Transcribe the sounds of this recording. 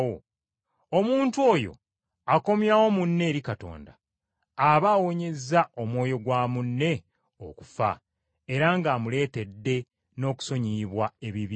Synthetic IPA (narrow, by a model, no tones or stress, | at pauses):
o | omuːntuo̞jo̞̰ | ako̞mjawo̞munːe̞ːɾikato̰ːnda | aβaːwo̞ɲe̞zao̞mwo̞ːjo̞ɡwaːmunːe̞ | o̰ku̥fa̰ | e̞ɾaŋɡaːmule̞ːte̞dːe̞ | no̞ːku̥so̞ɲiβwae̞βiβi